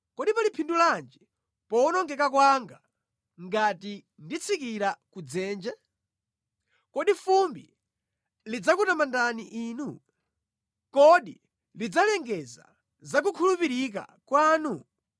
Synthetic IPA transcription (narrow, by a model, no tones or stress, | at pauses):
kɔɗipalipʰinduland͡ʒi | pɔunɔŋɡɛkakwaŋɡa | ŋɡati | ndit͡sʰikiɾakud͡zɛːnd͡ʒa | kɔɗifumbi | lid͡zakutamandaniʔiːnu | kɔɗḭ | lid͡zalɛŋɡɛza̰ | zak̬ukʰulupiɾik̬a̰kwaːnu